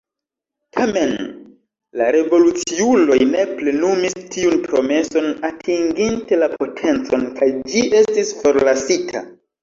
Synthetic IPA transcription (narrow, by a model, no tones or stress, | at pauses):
tʰame̞n | laɾe̞vo̞lut͡siulo̞jne̞ple̞numistʰiunpɾo̞me̞so̞natʰiŋɡinte̞lapʰo̞tʰe̞nt͡so̞nkʰajd͡ʒiʔe̞stisfo̞ɾlasitʰa̰